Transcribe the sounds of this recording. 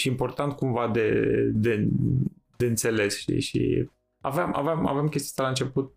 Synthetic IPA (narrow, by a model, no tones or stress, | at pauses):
ʃiimpo̞rt̪ant̪̚kumvad̪ed̪e | d̪e̞ɨnt̪se̞le̞sʃt̪ḭʃḭ | a̰veama̰veama̰veamkʲest̪ijast̪alaɨnt͡ʃe̞put̪̚